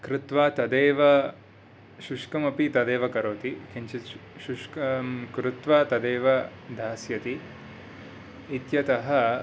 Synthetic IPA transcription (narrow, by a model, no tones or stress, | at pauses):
kɾɪt̪ʋaːt̪ɐd̪eːʋɐ | ʃuʂkɐmɐpit̪ɐd̪eːʋɐkɐɾoːt̪ikʰiɲt͡ʃiʃuʂkkɾɪt̪ʋaːt̪ɐd̪eːʋɐd̪ʱaːsjɐt̪i | t̪jɐt̪ɐɦɐ